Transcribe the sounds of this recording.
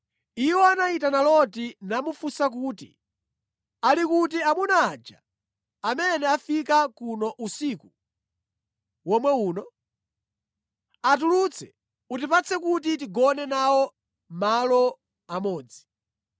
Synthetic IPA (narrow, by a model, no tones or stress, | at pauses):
iwɔanaitanalɔtinamufusak̬uːtḭ | alikutiamunaːd͡ʒa̰ | amɛnɛafikakunɔʔusiku | wɔmwɛuːnɔ | at̬ulut͡sʰɛ | ut̬ipat͡sʰɛkut̬it̬iɡɔnɛnawɔ | malɔ | amɔːd͡zi